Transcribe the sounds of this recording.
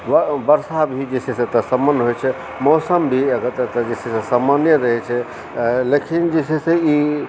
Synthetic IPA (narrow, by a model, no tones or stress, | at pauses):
ʋəbəɾsabʱid͡ʒesesẽt̪əsəmːənːɦojt͡ʃʰɛ | mɔsəmbʱiəɡət̪t̪əd͡ʒesesẽsamanjəɾəɦɛt͡ʃʰɛ | lekʰind͡ʒesesei